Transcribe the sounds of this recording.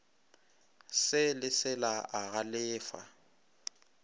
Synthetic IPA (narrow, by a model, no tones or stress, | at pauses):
sɪlɪsɪlaaɣalɪːfa̰